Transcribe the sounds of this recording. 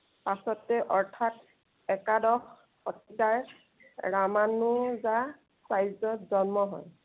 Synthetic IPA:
pasɔtɛʔɔɹtʰat | ɛkadɔx | ɔtitaɹ | ɹamanʊza | sajzɔzɔnmɔɦɔ̰j

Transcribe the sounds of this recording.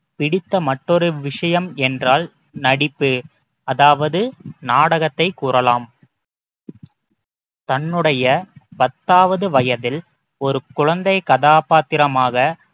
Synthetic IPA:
pɪɽɪt̪ːɐmɐʈːɔɾɯʋɪʂɐjɐmɛndraːl | nɐɽɪpːɯ | ɐðaːʋɐðɯnaːɽɐɣɐt̪ːɐɪkːuːrɐlaːm | t̪ɐnːɯɽɐjɐpɐt̪ːaːʋɐðɯʋɐjɐðɪl | ɔɾɯkʊɻɐnd̪ɐɪkɐðaːpaːt̪ːɪɾɐmaːɣɐ

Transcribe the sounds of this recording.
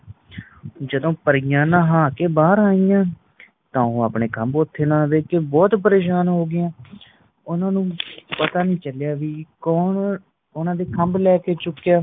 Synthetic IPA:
d͡ʒəd̪õːpəɾijãːnãːɦãːkeːbaːɾaːiːãː | t̪ãːõːaːpɳeːkʰəmbʊt̪ʰːeːnãːʋeːkebɔːt̪p̬əɾeːʃaːnɦoːɡɪjãː | ʊnãːnũːpət̪aːnĩːt͡ʃəljaːʋiːkɔːn | ʊnãːd̪eːkʰəmblɛːkeːt͡ʃʊkːejaː

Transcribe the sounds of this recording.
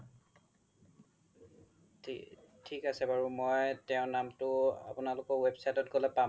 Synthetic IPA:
tʰikasɛbaɹumɔjtɛʊ̃namtʊa̰pʊnalʊkɔwebsajtɔtɡolɛpa

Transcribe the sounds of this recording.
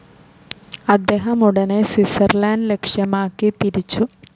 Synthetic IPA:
ɐd̪ːeːɦɐmuɽɐneswisɐrlaːnle̞kʂjɐmaːkːit̪iɾit͡ɕːu

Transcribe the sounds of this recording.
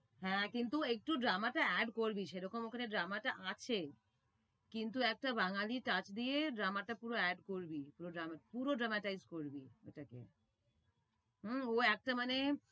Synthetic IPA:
ɦɛ̃kint̪uek̚ʈuɖɾamaʈaɛɖkoɾbiʃeɾɔkomokʰaneɖɾamaʈaʔat͡ɕʰe | kint̪̬uɛk̚ʈabaŋaliʈat͡ɕd̪ieɖɾamaʈapuɾoɛɖkoɾbipuɾoɖɾamapuɾoɖɾamaʈajzkoɾbio̰ʈakḛ | ɦm̩oɛk̚ʈamane

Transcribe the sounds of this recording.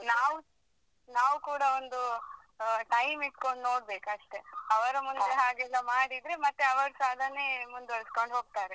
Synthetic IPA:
naːʋu | naːʋukuːɽɐond̪u | ʈɐjmiʈko̞ɳɖno̞ːɽbe̞ːkɐʂʈe̞ɐʋɐɾɐmund̪eɦaːɡɛlːɐmaːɽid̪ɾemɐt̪ːeɐʋɐɾsaːd̪ʱɐnemund̪ɐɭsko̞ɳɖɦo̞ːɡ̚t̪aːɾe

